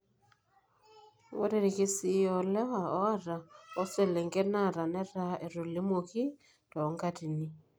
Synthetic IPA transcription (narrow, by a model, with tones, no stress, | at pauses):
wo̰˦ɾe˦ɾe˨ke˦si˨jɔ˨lɛ˦wa˨ɔ˦a˦ɾa˨ɔ˦se˦le˨ŋɡe˦na˦˨ɾa˨nɛ˦ɾa˦e˨ɾo˨le˦mo˨ki˦ | tɔ˨ŋɡa˦ti˨ni˨